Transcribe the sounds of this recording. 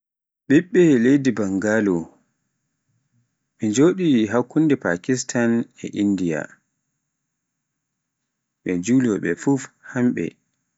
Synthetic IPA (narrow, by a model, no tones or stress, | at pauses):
ɓiɓːɛlejdibaŋɡalɔ | mid͡ʒoːɗiɦakːundɛpa̰kis̬tʰanɛ̰ʔindija̰ | ɓɛd͡ʒuːlɔɓɛfufhamɓɛ̰